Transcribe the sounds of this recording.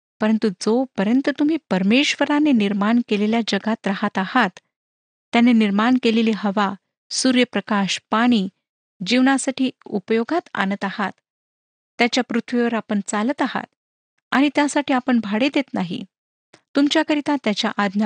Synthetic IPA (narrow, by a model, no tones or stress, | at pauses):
pəɾənt̪ud͡zopəɾənt̪ət̪um̤iːpəɾmeɕʋəɾaneniɾmaɳkeleljad͡ʑəɡat̪ɾaɦat̪ahat̪ː | janeniɾmaɳkeleliɦəʋa | suɾjəpɾəkaɕpaɽ̃iː | d͡ʑiʋɳasaʈʰiːupəjoɡʱat̪a̰nət̪ahat̪ː | jat͡ɕjapɾut̪ʰʋiʋəɾapəɳt͡salət̪aɦa̰t̪̚ | a̰ɽ̃it̪jasaʈiːapəɳbʱaɽed̪et̪naɦḭ | t̪umt͡ɕjakəɾit̪at̪jat͡ɕjaʔad̪ʱna